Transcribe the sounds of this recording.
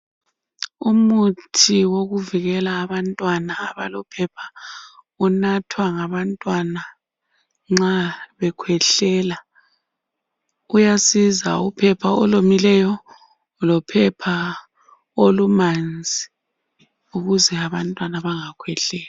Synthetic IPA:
umutʰiwoɣuviɣɛlaːβantʼwanaːβalɔpʰɛpʰa | unatʰwaŋaβantʼwana | ŋ͡ǁaβɛkʰwɛɬɛːla | ujasiza̰upʰɛpʰaɔlomilɛjɔ | lɔpʰɛpʰa | olumand͡zʱi | uɣuzɛaβantʼwanaβaŋakʰwɛɬɛːla

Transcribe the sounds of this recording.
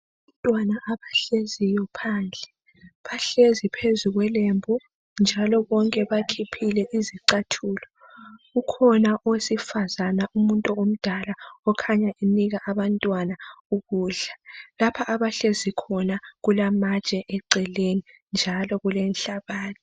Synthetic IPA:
aβantʼwanaʔaβaɬezijɔpʰand͡ɮʱɛ | βaɬezipʰezuɣwɛlembʱu | nd͡ʒʱalɔβɔŋkʼɛβakʰipʰilɛʔiziǀatʰuːlɔ | ɣukʰɔnaʔosifazanaʔumuntʼuom̩d̥ʱalaɔkʰaɲaʔeniɣaʔaβantʼwanauɣuːɮalapʰaʔaβaɬezikʰɔnaɣulamat͡ʃʼɛʔɛǀɛleni | nd͡ʒʱalɔɣulɛnɬaβaːni

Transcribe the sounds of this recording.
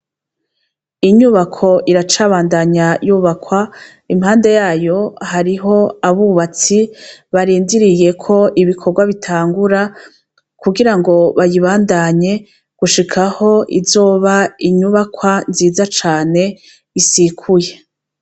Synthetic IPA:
iɲuβakʰo̞ʔiɾat͡ʃaːβaːndaɲajuːβakwa | imhaːnde̞jaːjo̞haɾiɦo̞aβuβat͡siβaɾiːndiɾije̞kʰo̞ʔiβikʰo̞ɾɡwaβitʰaːŋɡuɾa | kuɡiɾaŋɡo̞βajiβaːndaɲe̞ | ɡ̥uʃikʰaho̞ʔizo̞ːβaiɲuβakwanziːzat͡ʃaːne̞ | isikʰuje̞

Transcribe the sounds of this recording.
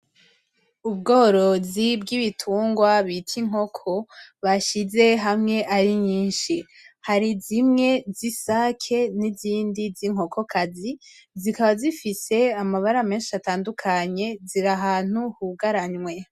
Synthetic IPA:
ub̚ɡo̞ːɾo̞zibɡiβitʰuːŋɡwaβitʰiŋ̥ho̞kʰo̞βaʃize̞ɦamŋe̞ʔaɾiɲiːnʃi | haɾizimŋe̞zisakʰe̞niziːndiziŋ̥ɦo̞kʰo̞kʰazizikaβazifise̞amaβaɾame̞ːnʃiataːndukʰaɲe̞ziɾaɦaːn̥uhuɡaɾaɲwe̞

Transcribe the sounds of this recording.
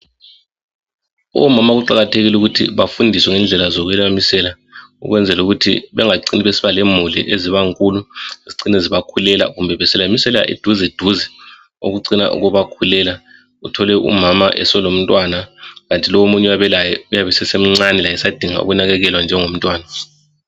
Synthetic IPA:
ɔ̰mamaɣuǃaɣatʰeɣiluɣutʰḭβafundʱiswɛŋɛnd͡ɮʱɛlazɔɣwɛlamisɛla | ṵɣwɛnd͡zʱɛluɣutʰḭβɛ̰ŋaǀiniβesiβalemulḭʔeziβaŋkʼuluiziǀinɛziβakʰulɛla̰ɣumbʱɛβɛsɛlamisɛlɛa̰ʔḭd̥ʱuzɛd̥ʱuzɛ | o̰ɣuǀina̰ʔṵɣɔβakʰulɛla | utʰɔlɛʔṵmamaʔɛsɔlom̩tʼwanaɣantʼilɔwomuɲɛwaβɛlajɛujaβɛsɛsem̩ŋ͡ǀanɛlajɛsad̥ʱiŋa̰ṵɣunaɣɛɣɛlwand͡ʒʱɛŋom̩tʼwaːna

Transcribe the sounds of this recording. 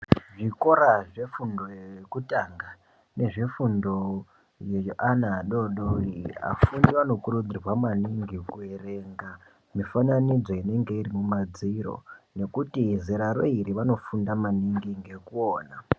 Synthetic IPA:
ʐiko̞ɾaʐe̞fundojekutaŋɡa | ne̞ʐe̞fundo̞ | jeʔanaɗo̞ɗoia̰fundiano̞kurud͡zirwamaniŋɡikuere̞ŋɡa | mifananid͡zo̞ine̞ŋɡe̞irimumad͡ziɾo̰ne̞kutiziɾaɾo̞iɾiʋano̞fundamaniŋɡiŋɡe̞kuoːna

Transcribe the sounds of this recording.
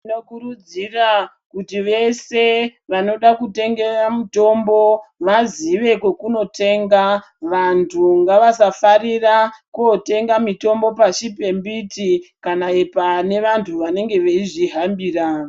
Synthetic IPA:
no̞kuɾud͡zira | kutiʋe̞se̞ʋano̞ɗakute̞ŋɡe̞ramito̞mbo̞ʋaziʋe̞kokuno̞tʰe̞ːŋɡa | ʋantʰuŋɡaʋasafarirakote̞ŋɡamito̞mbo̞paʃipe̞mbitikanaepane̞ʋantʰuʋane̞ŋɡe̞ʋeiʐiɦambiːra

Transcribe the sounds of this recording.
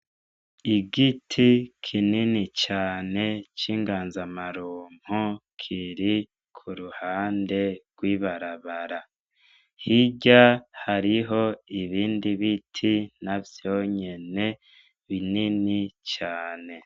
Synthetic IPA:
iɡitʰikʰininit͡ʃaːne̞t͡ʃiːŋɡaːnzamaɾuːm̥hukʰiɾi | kʰuɾuhaːnde̞ɡ̥wiːβaɾaβaɾa | hiɟahaɾiɦo̞iβiːndiβitʰinavjoːɲe̞ne̞ | βininit͡ʃaːne̞

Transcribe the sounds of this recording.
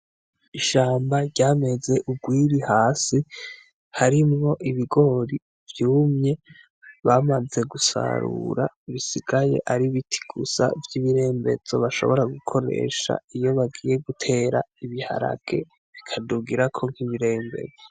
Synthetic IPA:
iʃaːmbaɾɟaːme̞ze̞ʔubɡwiːɾihaːsi | haɾimŋo̞ʔiβiɡo̞ɾi | vjuːmɲe̞ | βaːmad͡ze̞ɡusa̰ɾṵɾaiβisiɡaje̞̰ʔaɾiβitʰi̥ɡ̥usa̰vjiβiɾe̞ːmbe̞̰zo̞̰βaʃo̞̰βo̞ɾaɡukʰo̞ɾḛʃa̰ijo̞βaɡije̞ɡutʰe̞ːɾa̰iβiha̰ɾa̰ɡ̥e̞ | βikʰaduɡiɾakʰo̞ŋ̥hiβiɾe̞ːmbe̞̰d͡zo

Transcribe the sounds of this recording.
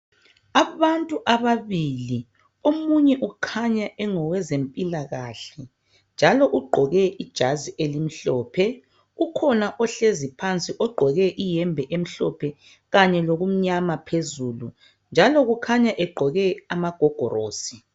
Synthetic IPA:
aβantʼuʔaβaβili | omuɲɛʔukʰaɲaʔɛŋɔwɛzempʼilaɣaɬɛ | nd͡ʒʱalɔʔuɡ͡ǃʱɔɣɛʔid̥ʒ̥ʱaziʔelim̩ɬɔːpʰɛ | ukʰɔnaʔɔɬezipʰant͡sʼiʔɔɡ͡ǃʱɔɣɛʔijɛmbʱɛʔem̩ɬɔ̰pʰɛ | ɣaɲɛloɣum̩ɲamapʰezuːlṵ | nd͡ʒʱalɔɣukʰaɲaʔɛɡ͡ǃʱɔɣɛamaɡ̥ʱɔɡ̥ʱɔ̰ro̰ːsi̥

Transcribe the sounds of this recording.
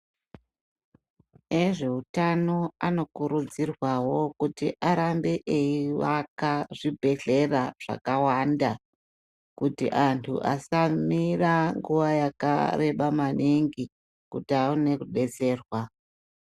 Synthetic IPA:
e̞ʐe̞utano̞ano̞kuɾud͡zirwawo̞kutiʔaɾambe̞ʔeiʋakaʐibʱe̞ɮe̞raʐ̥a̰kawanda | kutḭʔantʰṵʔa̰samiraŋɡuʋajaka̰re̞ɓamaniŋɡi | kutiaune̞kuɗe̞t͡se̞ːrwa

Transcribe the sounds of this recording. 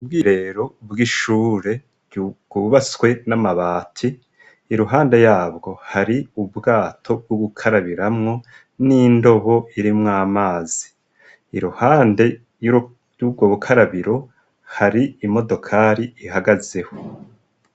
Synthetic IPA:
ub̚ɡiːɾe̞ɾo̞bɡiʃuːɾe̞ | ɡ̥uβaswe̞namaβaːtʰiː | ɾuɦaːnde̞jaːbɡo̞haɾiubɡaːtʰo̞b̚ɡuɡukʰaɾaβiɾamŋo̞ | nindo̞βo̞ʔiɾimŋaːmaːziː | ɾuhaːnde̞ | ubɡoβukʰaɾaβiɾo̞ | haɾiimo̞do̞kʰaɾiihaɡaze̞ho̞

